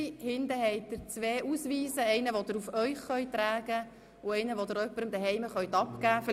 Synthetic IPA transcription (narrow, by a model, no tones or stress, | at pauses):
hɪnd̪əɦɛɪt̚əɾt͡sʋeːʔusʋiːsəɛɪnəʋod̪əɾufœʏχχœʏt̪ːɾæːɡə | ʊɛɪnəʋod̪əɾœpːəɾəmd̪əɦɛɪməχœʏt̪ɑpkæːf